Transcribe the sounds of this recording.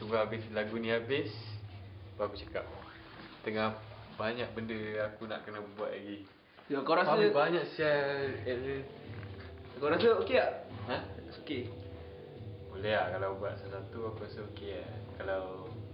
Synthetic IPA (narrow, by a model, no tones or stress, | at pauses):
suɡaabɪslaɡunĩabɪs | baakut͡ʃəka̰p̚ | t̪əŋahbaɲaʔ̚bəndəakuna̰ʔkənabua̰ʔ̪̚laɡi | oakawɾasəbaɲaʔsia | akawɾasəokeaʔaoke | mulɛɦaʔkalawbuaʔsəsat̪uakuɾasaokeaʔkalaw